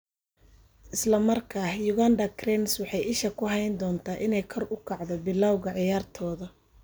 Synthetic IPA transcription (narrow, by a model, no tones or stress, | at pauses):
ʔɪslɐmɐrkʰaːhjʊɣand̪ɐkʰrɛnswɑħɑjɪʃɐkʰʊɦɑjnd̪ɔːnt̪ʰaːʔɪnɛjkʰɔrʊkʰɑʕd̪ɔbɪlːaːwɣɐʕɪjaːrt̪ʰɔːðɐ